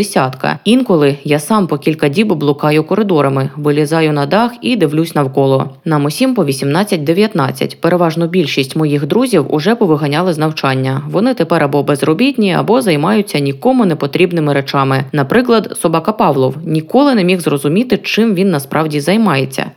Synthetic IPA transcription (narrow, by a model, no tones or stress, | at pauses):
esʲat̪kɐ̰inkɔlˠɪjasɑmpɔkʲilʲkɐdʲibblˠʊkɑjʊkɔɾɪd̪ɔɾɐmɪʋɪlʲizɑjʊnɐd̪ɑxid̪ɪʋlʲusʲnɐwkɔlˠɔnɑmɔsʲimpɔʋʲisʲimnɑt͡sʲːɐtʲd̪eʋʲjɐt̪nɑt͡sʲːɐ̰tʲpeɾeʋɑʒnʊbʲilʲʃisʲtʲmɔjixd̪ɾuzʲiwʊ̰ʐɛpɔʋɪɦɐnʲɑlˠɪznɐwt͡ʃɑnʲːɐʋɔnɪt̪epɛɾɐbɔbɛzrɔbʲitʲnʲiɐ̰bɔzɐjmɑjʊt͡sʲːɐnʲikɔmʊnɛpɔt̪ɾʲibnɪmɪɾet͡ʃɑmɪnɐpɾɪklˠɐd̪sɔbɑkɐpɑʋlˠɔwnʲikɔlˠɪnɛmʲixzrɔzʊmʲit̪ɪt͡ʃɪmʋʲinːɐspɾʔɑwdʲizɐjmɑjet͡sʲːɐ̰